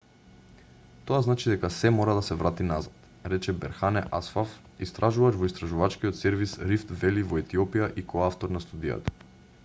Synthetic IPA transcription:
t̪oaznat͡ʃid̪ɛkasɛmɔɾad̪asɛvɾat̪inazat̪ | ɾɛt͡ʃɛbɛ̰ɾxanɛʔasfaf | ist̪ɾaʒuvaʒvɔist̪ɾaʒuvat͡ʃkijot̪sɛɾvisɾift̪vɛlivɔɛt̪iɔpijaʔikoaft̪ɔɾnast̪ud̪ija̰t̪ḁ

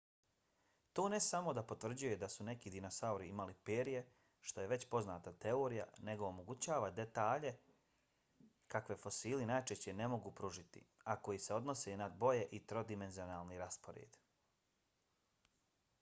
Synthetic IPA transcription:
t̪oːne̞samo̞d̪apo̞t̪ʋr̩d͡ʑuje̞d̪asune̞kid̪ino̞sauɾiimalipeːɾije̞ | ʃt̪o̞je̞ʋe̞t͡ɕpo̞znaːt̪at̪eo̞ːɾija̰ne̞ɡo̞ːmo̞ɡut͡ɕaːʋad̪e̞t̪aːʎe̞ | kakʋe̞fo̞siːlinajt͡ʃeɕt͡ɕe̞ne̞mo̞ɡupɾuʒit̪ḭako̞jise̞o̞d̪no̞senad̪bo̞je̞ʔit̪ɾo̞d̪ime̞nzio̞naːlˠniɾaspo̞ɾḛːd̪

